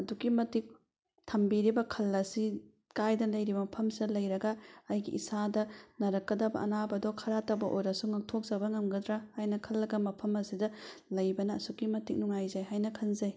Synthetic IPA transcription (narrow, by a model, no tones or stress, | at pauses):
ɐdukimɐtik̚ | tʰɐmbiɾibɐkʰɐlːɐsi | kajdɐlɐjɾibɐmɐpʰɐmsidɐlɐjɾɐɡɐːjɡḭʔisadɐnɐɾɐkːɐdɐbɐ̰ʔɐ̰nabɐdokʰɐɾatɐwbɐʔojɾɐsuŋɐk̚tʰok̚z̥ɐbɐŋɐmɡɐdɾahajnɐkʰɐlːɐɡɐmɐpʰɐmɐsidɐlɐjbɐnɐ̰ːsukːimɐtik̚nuŋajzajɦajnɐkʰɐnzɐj